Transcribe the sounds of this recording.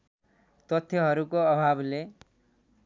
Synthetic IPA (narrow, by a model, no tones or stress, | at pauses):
t̪ʌt̪ʰjoɦʌɾukoʌbʱable